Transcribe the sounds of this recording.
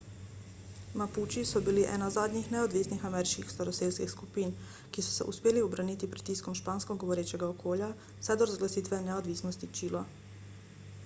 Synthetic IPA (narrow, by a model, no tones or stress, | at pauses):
maput͡ʃisɔbiliʔɛ̰ːnazaːd̪ɲixnɛod̪ʋiːsnixamɛːɾiʃkixst̪aɾɔseːlskixskupiːn | kisɔ̥sɛ̰ʔṵspeːliɔbɾaniːt̪ipɾit̪iskɔmʃpaːnskɔɡɔʋɔɾeːt͡ʃɛɡaokʰoːlja | sɛd̪ɔɾazɡlasiːt̪ʋɛnɛod̪ʋiːsnɔst̪it͡ʃiːla